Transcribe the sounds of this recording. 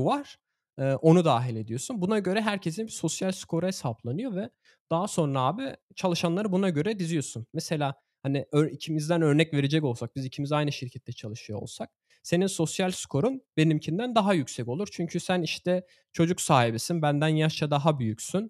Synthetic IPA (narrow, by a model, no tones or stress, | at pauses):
vaɾ̥ | ɯːʔo̞nud̪aːɦilʲe̞d̪ijo̞sunbunaɟø̞ɾɛɦæɾcʰe̞s̬inbiso̞sjalʲskʰo̞ɾuɦesablˠanɯjo̞vɛ | d̪̥aɦaso̞nɾaaːbi | t͡ʃʰalˠɯʃanlˠaɾɯbunaɟø̞ɾɛd̪izijo̞sunmɛse̞lʲaː | haniøɾicʰimizd̪ænø̞ɾnɛcve̞ɾed͡ʒɛco̞lˠsak̚bizicʰimizajnɯʃiɾcʰɛt̪ʰːɛt͡ʃʰalˠɯʃɯjoo̞̰lˠsak̚ | se̞ninso̞sjalʲskʰo̞ɾunbe̞nimcʰind̪ænd̪aɦajycʲsɛco̞lˠuɾt͡ʃʰyɲcʰysæniʃt̪ʰɛ | t͡ʃʰo̞d͡ʒuksaːhibisinbænd̪ænjaʃt͡ʃʰad̪aɦabyjycsyn